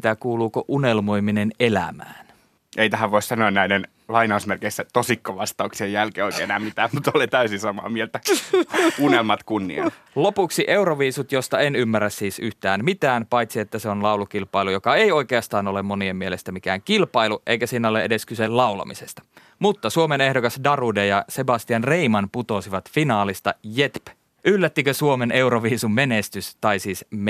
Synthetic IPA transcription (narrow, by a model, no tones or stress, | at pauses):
t̪ækuːluːkoʔunelmo̞jminenelæ̰mæ̰ːn | ʔeijt̪æɦæʋʋoissɑnoennæiden | lɑinɑusmerkeisːæt̪osikːoʋɑst̪ɑuksiejjælkeːoˑikeːenæːmmit̪æːmmut̪olet̪æysisɑmɑ̰ːmielt̪æ | unelmɑt̪kunːḭɑ | lopuksiʔe̞uɾoʋiːsut̪jost̪ɑenymːærːæssiːsyht̪æːmmit̪æːnpɑjt̪siet̪ːæseonlɑulukilpɑilujokɑeio̞ikeɑst̪ɑːnolemmoniemmielest̪æmikæːŋkilpɑiluʔeikæsiːnæoleʔedeskysellɑulɑ̰misest̪ɑ̥ | mut̪ːɑsuomenehdokɑsdɑrudejɑsebɑst̪iɑnreimɑnput̪osiʋɑt̪finɑːlist̪ɑjet̪p | ylːæt̪ːikøsuomeneuɾoʋiːsummenest̪yst̪ɑisiːsm